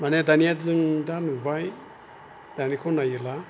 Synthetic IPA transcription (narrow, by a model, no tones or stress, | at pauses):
manedanijazɯŋdanubaj | d̥anikʰɔnajɯla